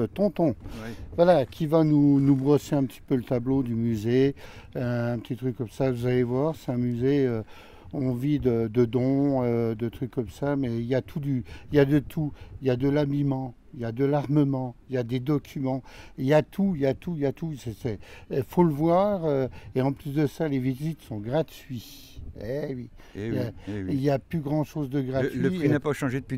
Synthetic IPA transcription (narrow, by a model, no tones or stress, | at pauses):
t̪ɔ̃t̪ɔ̃vwalakʲʰivanunubʁɔseɛ̃pət̪i̥pølət̪ablod̪ymyzeøɛ̃pət̪it̪χykːɔmsavuzalevwaʁsɛ̥ɛ̃myzeø | ɔ̃vid̪əd̪əd̪ɔ̃ød̪ət̪χykːɔmsamɛiljat̪ʰud̪yiljad̪ət̪ʰuiljad̪əlabimɑ̃ | iljad̪əlaʁməmɑ̃ijad̪ed̪ɔkʲʰymɑ̃iljat̪ʰuijat̪ʰujat̪usɛsɛfoləvwaːʁøeɑ̃plysd̪əsalevizit̪sɔ̃ɡʁat̪ɥi | ewi | jailjaplyɡʁɑ̃ʃozd̪əɡʁaləiinapaʃɑ̃ʒed̪əpi